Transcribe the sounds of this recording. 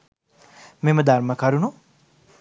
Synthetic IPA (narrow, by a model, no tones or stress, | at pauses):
meməd̪aɾməkaɾunu